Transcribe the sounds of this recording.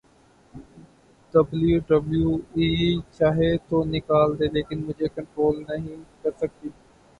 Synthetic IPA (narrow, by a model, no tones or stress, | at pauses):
ɖ̥əbljuːɖəbljuːiːt͡ʃaːɦet̪ʰoːnɪkaːld̪eːleːkɪnmʊ̃ɦd͡ʒeːkə̃ɳʈɾoːlnəɦĩːkəɾsək̚d̪iː